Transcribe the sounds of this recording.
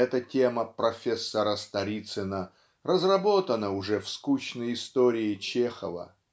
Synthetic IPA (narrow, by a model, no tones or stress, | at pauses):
ɛt̪ətʲeməpɾɐfʲesːɐɾəst̪ɐɾʲit̪sɨnə | rəzrɐbo̞t̪ənəʊʐɛfskut͡ɕnəjɪst̪oɾʲɪɪt͡ɕexə̰və̰